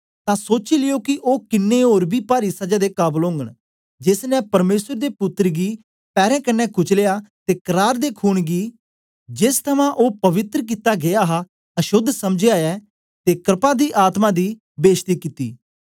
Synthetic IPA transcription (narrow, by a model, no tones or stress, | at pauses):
t̪ãːsoːt͡ʃilɪjoːkiʔoːkɪnːeoːɾbiːpaːɾisəd͡ʒaːd̪eːkaːblõːŋɡəɽ̃ | d͡ʒɪsnɛ̃pɐɾmeːsəɾd̪eːpʊt̪ːəɾɡiː | pɛːɾɛ̃ːkənːɛkʊt͡ʃlejaːt̪eːkəɾaːɾd̪eːkʰuːɽ̃ɡiː | d͡ʒɪst̪ʰɐmãʔoːpɐʋɪt̪ɾk̬ɪt̪aɡeaːɦa | ɐʃʊd̪sɐmd͡ʒeaːjɛː | t̪eːkɾɪpãːd̪iːʔaːt̪mãd̪iː | beːʃt̪iːkɪt̪ḭː